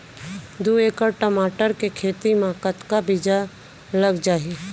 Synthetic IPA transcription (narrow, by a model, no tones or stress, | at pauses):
d̪ueːkəɾʈəmaːʈəɾkekʰeːt̪imãkət̪kabɪd͡ʒa | ləɡd͡ʒaːi